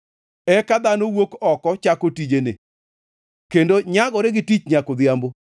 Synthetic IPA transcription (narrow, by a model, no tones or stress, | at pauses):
ɛkad̪anowokɔkɔt͡ʃakotid͡ʒenḛ | kendoɲaɡɔɾeɡɪtit͡ʃɲakod̪ɪambo